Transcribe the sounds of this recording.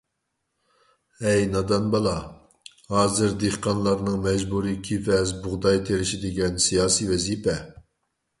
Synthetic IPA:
ɛjnɑd̪ɑnbɑlˠɑ | hɑːzɨɾd̪eχqɑnlˠɑɾnɨŋmɛd͡ʒbuɾikʲʰifɛzbʊʁd̪ɑjt̪ʰeɾɪʃid̪ɪɡʲɛnsijɑːsiwɛzipɛ

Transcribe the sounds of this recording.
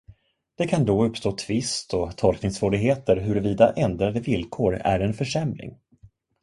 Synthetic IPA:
d̪̥ɛkʰand̪oːɵpːst̪oːt̪ʰvɪst̪ɔt̪ʰɔlknɪŋsvoːɾɪɡɦeːt̪əɾɦɵɾɛviːd̪aʔɛnd̪ɾad̪əvɪlkʰoːɾæ̰ɾɛnfœʂɛmlɪ̰ŋ

